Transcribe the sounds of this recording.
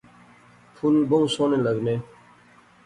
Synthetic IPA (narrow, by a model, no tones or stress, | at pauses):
pʰulboũsoːnẽːləɡneː